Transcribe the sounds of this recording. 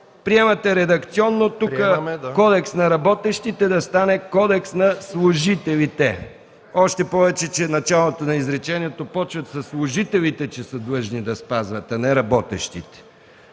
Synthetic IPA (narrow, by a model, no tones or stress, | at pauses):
pɾiɛmɐt̪ɛɾɛd̪ɐkt̪siɔnːot̪ukəkɔd̪ɛksnɐɾɐbɔt̪ɛʃt̪it̪ɛd̪ɐst̪anɛkɔd̪ɛksnɐslˠʊʒit̪ɛlit̪ɛ | ɔʃt̪ɛpɔvɛt͡ʃɛt͡ʃɛnɐt͡ʃalˠot̪onɐizɾɛt͡ʃɛniɛt̪opɔt͡ʃvət̪sɐslˠʊʒit̪ɛlit̪ɛt͡ʃɛsəd̪lˠɤʒnid̪ɐspazvɐt̪ɐnɛɾɐbɔt̪ɛ̰ʃt̪it̪ɛ̥